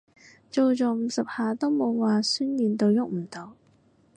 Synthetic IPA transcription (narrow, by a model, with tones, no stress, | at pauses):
t͡so˨˧wt͡sɔː˨˧m̩˨˧sɐ˨p̚haː˨t̪o˥wmo˨˧wwaː˨˩syː˥njyː˨˧nt̪o˧wjʊ˥k̚m̩˨˩t̪o˨˧˩w